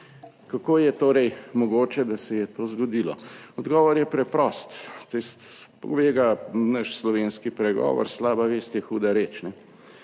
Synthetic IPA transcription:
kakoːjɛt̪oːɾɛjmɔɡoːt͡ʃɛd̪asɛjɛt̪oːzɡɔd̪iːlɔɔd̪ɡɔːʋɔɾjɛpɾɛpɾɔːst̪t̪ist̪pɔ̰ʋeːɡanəʃslɔʋeːnskipɾɛɡɔ̰ːʋɔ̰ɾslaːbaʋeːst̪jɛxuːd̪aɾeːt͡ʃnɛ

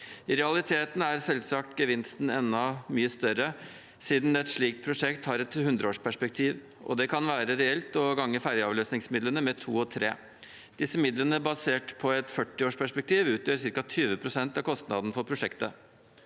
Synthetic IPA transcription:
ɪɾɛɑlɪt̪ʰeːt̪n̩æɾsɛlsɑk̚t̪ɡəʋɪnst̪n̩ɛnːɑmyːəst̪œɾə | siːd̪nɛt̪ʂɭiːkt̪̚pʰɾʊʂɛkt̪hɑɾɛt̪hʉnd̪ɾəoːʂpʰæʂpɛk̚t̪ʰiːʋ | ʔɔ̰d̪ɛkʰɑnʋæːɾəɾɛɛlt̪ɔɡɑŋːəfæɾjəɑːʋløːsnɪŋsmɪd̪lənəmɛt̪ʰṵːɔt̪ʰɾḛː | d̪̥ɪsəmɪd̪lənəbɑseːʈpʰɔɛt̪fœʈːɪoːʂpʰæʂpɛk̚t̪ʰiːʋʉːt̪jøːɾs̬ɪɾkɑt̪ʰyːʋəpʰɾʊsɛnt̪ɑkʰɔst̪nɑd̪n̩fɔɾpʰɾʊʂɛkt̪ə

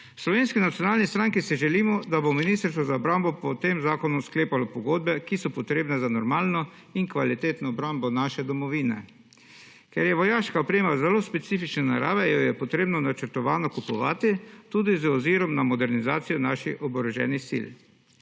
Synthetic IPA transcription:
slɔʋeːnskinat̪sjɔnaːlnist̪ɾaŋkisiʒɛliːmɔd̪abominist̪əɾst̪ʋɔzaɔbɾambɔpɔt̪eːmzaːkɔnuskleːpalɔpɔɡoːd̪̚bɛkisɔpɔt̪ɾeːbnɛzanɔɾmaːlnɔ | iŋkʋalit̪eːt̪nɔːbɾambɔnaːʃɛd̪ɔmɔʋiːnɛ̰ | kɛɾjɛʋɔjaːʃkaɔpɾeːmazɛloːspɛt̪siːfit͡ʃnɛna̰ɾa̰ːʋɛjɔjɛpɔt̪ɾeːbnɔnat͡ʃəɾt̪ɔʋaːnɔkupɔʋaːt̪it̪uːd̪izɔziɾɔmnamɔd̪ɛɾnizaːt̪sijɔnaʃixɔbɔɾɔʒɛ̰ːnisḭl

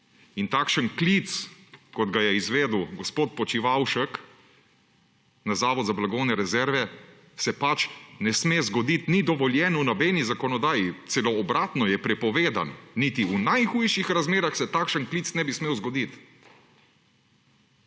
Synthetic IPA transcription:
int̪akʃənklit̪skɔd̪ɡajɛizʋeːd̪wɡɔspoːt̪̚pɔt͡ʃiʋawʃək | nazaːʋɔd̪zablaɡɔːwnɛɾɛzɛɾʋɛ | sɛpat͡ʃnɛsmeːzɡɔd̪it̪nid̪ɔʋɔljɛːnunɔbeːnizakɔnɔd̪aːjit̪sɛlɔːbɾaːt̪nɔjɛpɾɛpɔʋeːd̪a̰nːit̪iunajxujʃixɾazmeːɾaxsɛt̪aːkʃənklit̪snɛbismeːwzɡɔd̪it̪

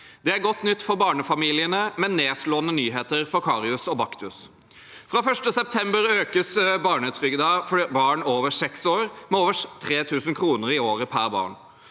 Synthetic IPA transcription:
d̪ɛæɾɡɔt̪ːnʏt̪ːfɔɾbɑːɳəfɑmiːlɪənəmɛnːeːsloːənənyːɦeːt̪əɾfɔɾkʰɑːɾɪʉsɔbɑkt̪ʉs | fɾɑːfœʂʈəsɛp̚t̪ʰɛmbəɾøːkəsbɑːɳət̪ʰɾʏɡd̪ɑːfɔɖibɑːɳoːʋəsɛksoːɾmɛoːʋəʂt̪ʰɾeːt̪ʰʉːsənkʰɾuːnəɾɪoːɾəpʰæɾbɑ̰ːɳ

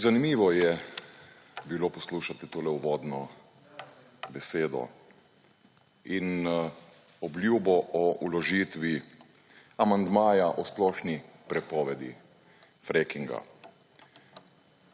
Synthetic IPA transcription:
zanimiːʋɔjɛ | biloːpɔsluːʃat̪it̪oːlɛuʋɔːd̪nɔ | bɛseːd̪ɔ̰ | in | ɔblʲjuːbɔʔɔulɔʒiːt̪ʋi | amand̪maːjaʔɔsplɔʃnipɾɛpɔːʋɛd̪ḭ | fɾekiŋɡa̰

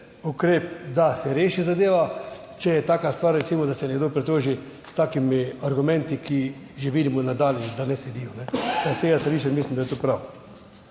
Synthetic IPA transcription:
ukɾeːp̚d̪asɛɾeːʃizad̪eːʋa | t͡ʃɛjɛt̪aːkast̪ʋaːɾːɛsiːmɔd̪asɛnɛɡd̪oːpɾɛt̪oːʒi | st̪aːkimiaɾɡʊmɛ̃nt̪iki | ʒɛʋiːd̪imɔnad̪aːljɛd̪anɛsɛd̪iːjɔnɛt̪aseɡast̪aliːʃɛmislimd̪ajɛt̪oːpɾaw

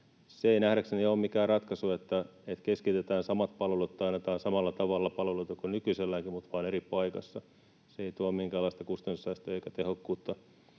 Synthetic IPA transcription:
seeinæhɾæksenioːmmikæːrrɑt̪kɑsuet̪ːæ | et̪keskit̪et̪æːnsɑmɑt̪pɑlʋelut̪ːɑnːet̪ɑːnsɑmɑlːɑt̪ɑʋɑlːɑpɑlʋeluit̪ɑkunykyselːæŋkimmut̪ʋɑːneɾipɑikɑ̰sːɑ | seeit̪uommiŋkæːlːˑɑist̪ɑkust̪ɑnsisæːst̪øeikæt̪ehokːuːt̪ːɑ

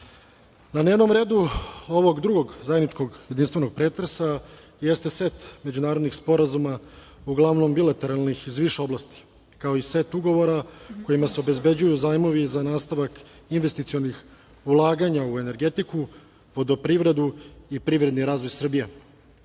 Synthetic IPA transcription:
naneʋno̞mɾe̞ːd̪uo̞ʋo̞ɡd̪ɾuɡo̞ɡzajed̪nit͡ʃko̞ɡje̞d̪inst̪ʋe̞no̞ɡ̚pɾe̞t̪ɾesa | jest̪e̞se̞t̪me̞d͡ʑunaːɾod̪nixspo̞ɾazuma | uɡlˠaʋno̞mbilˠat̪e̞ɾalˠnixizʋiʃeo̞blˠast̪i̥ | kao̞ise̞t̪uɡo̞ʋo̞ɾako̞jimase̞o̞be̞zbe̞d͡ʑujuzaːjmo̞ʋizanaːst̪aʋak | inʋe̞st̪it̪sio̞nix | ulˠaːɡaɲaue̞ne̞ɾɡe̞t̪iku | ʋo̞d̪opɾiːʋɾe̞d̪uipɾiːʋɾe̞d̪niɾaːzʋo̞jsr̩bije̞

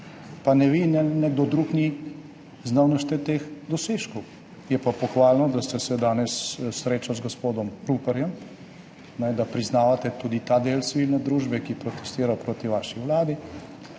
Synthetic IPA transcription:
panɛʋinɛnɛɡ̚d̪ɔd̪ɾukni | znawnɔʃt̪ɛt̪eːxd̪ɔseːʃkɔw | jɛpapɔxʋaːlnɔd̪ast̪ɛsɛd̪aːnɛssɾeːt͡ʃazɡospoːd̪ɔmɾuːpɛɾjɛm | nɛd̪apɾiznaːʋat̪ɛt̪uːd̪it̪ad̪eːlt̪siʋiːlnɛd̪ɾuːʒbɛkipɾɔt̪ɛ̥st̪iːɾapɾoːt̪iʋaːʃiʋlaːd̪i

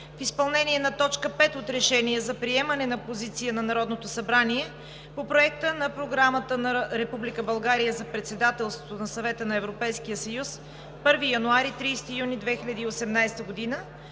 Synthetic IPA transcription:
fispɐlˠnɛniɛnɐt̪ɔt͡ʃkəpɛt̪ot̪ɾɛʃɛniəzɐpɾiɛmɐnɛnɐpozit̪siənɐnɐɾɔd̪not̪osɐbɾaniɛ | popɾoɛk̚t̪ənɐpɾoɡɾamət̪ənɐɾɛpublikəbɐlˠɡaɾijəzɐpɾɛt̪sɛd̪at̪ɛlˠst̪vot̪onɐsɐvɛt̪ənɐɛvɾopɛjskijəsɐjus | pɤɾvijɐnuaɾit̪ɾiːst̪ijunid̪vɛxiʎʲɐd̪iːosɛmnajst̪əɡod̪inə

